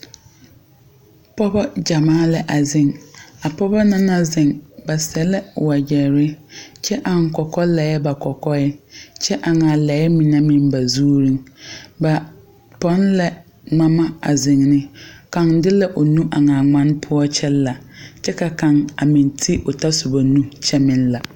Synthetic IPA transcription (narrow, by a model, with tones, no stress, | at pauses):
pɔ˦bɔ˦d͡ʒa˨maː˦lɛ˦ʔa˨zɪ˨ŋa˨pɔ˦bɔ˦na˦na˦zɪ˨ŋba˨sɛ˨lɛ˦wa˨d͡ʒɛ˨ɾɪ˦t͡ʃɛ˦ʔa˨ŋ˦kɔ˨kɔ˦la˨jɛ˦ba˨kɔ˨kɔ˦ɛ˦t͡ʃɛ˦ʔa˨ŋa˨lɛ˨˦ɛ˦mi˨na˦mɪ̃˨nba˨zuː˦ɾĩ˦ŋba˨ | pɔ˦n˦lɛ˨ | ŋa˦ma˦a˨zɪ˨ŋnɪ˦ka˨ŋdɪ˦la˦ʔo˨nũ˦ʔa˨ŋa˨ŋa˦n˦pʰʊ˦ɔ˦t͡ʃʰɛ˦lːa˨t͡ʃɛ˦ka˨ka˨ŋa˨mɪ̃˨ntʰi˦ʔo˨ta˦sʊ˨ba˨nũ˦t͡ʃʰɛ˦mɪ̃˦nla˨